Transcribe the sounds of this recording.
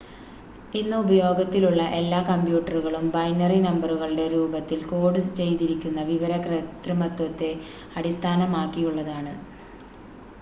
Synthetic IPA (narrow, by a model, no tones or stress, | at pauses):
inːɨubɐjo̞ːɡɐt̪ːiluɭːɐʔe̞lːaːkɐmpjuːʈːɐruɣɐɭumbɐjnɐrinɐmbɐruɣɐɭɨɽe̞ɾuːbɐt̪ːilko̞ːɖɨsɨt͡ɕe̞jt̪iɾikʲːunːɐʋiʋɐɾɐkrɐt̪rɨmɐt̪wɐt̪ːe̞ | ɐɽist̪ʰaːnɐmaːkːijuɭːɐðaːɳɨ